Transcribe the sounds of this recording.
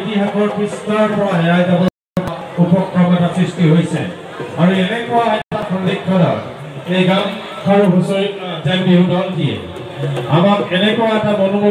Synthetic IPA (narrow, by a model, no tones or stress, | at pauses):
tiɦakɔɹkɹistɔɔɹpɔɹaɦɛɹajzabɔ | upɔkʰɹɔmɛtasɹistiɦojsɛ̰ | aɹuɛnɛkʊwaɛtapɔnikʰːɔdɔ̰ɹ | ejɡani | aɹɦusoɹiazanbeɦudɔldiɛ̰ | amakɛnɛkʊwaɛtamɔnumo